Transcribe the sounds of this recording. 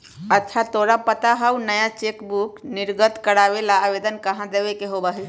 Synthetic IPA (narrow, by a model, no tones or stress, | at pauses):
ətːt͡ʃʰat̪oɾapət̪aɦawnəjãt͡ʃekbukniɾɡət̪kəɾaʋelaːbed̪ənkəɦãd̪ebɛkeɦobaɦi